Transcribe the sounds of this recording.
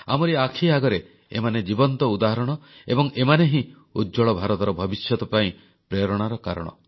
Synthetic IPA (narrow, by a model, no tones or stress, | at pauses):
a̰mɔɾiakʰiaɡɔɾe | ḛmaned͡ʒibɔnt̪ɔud̪aɦɔɾɔɽ̃ɔebɔŋemaneɦĩ | udd͡ʒɔɭɔbʱaɾɔt̪ɔɾɔbʱɔbisjɔt̪ɔpaĩ | pɾeɾɔɽ̃aɾɔkaɾɔ̰ɽ̃ɔ̰